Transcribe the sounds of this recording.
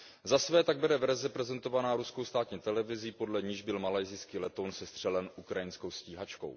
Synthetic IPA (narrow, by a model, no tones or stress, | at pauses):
zasvɛːt̪aɡ̚bɛdɛvɛɾzɛpɾɛzɛnt̪o̞vanaːɾuskowst̪aːt̪ɲiːt̪ɛlɛvɪziːpo̞dlɛɲiʒbɪlmalajzɪskiːlɛt̪onsɛst̪r̥ɛlɛnʔukɾajɪnsko̞wsciːɦat͡ʃko̞̰w